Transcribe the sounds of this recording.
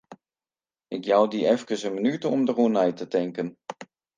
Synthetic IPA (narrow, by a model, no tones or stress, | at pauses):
ɪkjawdiɛfkəsənmənytəɔmdəruənɛjtətɛŋkən